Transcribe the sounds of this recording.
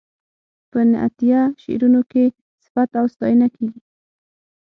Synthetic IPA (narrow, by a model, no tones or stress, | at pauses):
pənɪa̰t̪ijaʃḛɾunoke | sɪ̥fat̪awst̪ɑjənakeɡi